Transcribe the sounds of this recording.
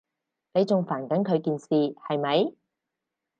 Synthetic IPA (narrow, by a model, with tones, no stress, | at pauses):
ne˨˧jt͡sʊ˨ŋfaː˨˩nkɐ˨˥nkʰɵ˨˧ɥkiː˨nsiː˨hɐ˨jmɐ˨˧j